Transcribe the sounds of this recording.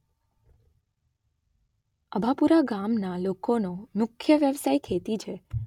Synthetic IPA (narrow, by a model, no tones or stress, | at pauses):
əbʱapuɾaɡamnalokonomʊkʰjəʋjəʋsajkʰet̪it͡ʃʰe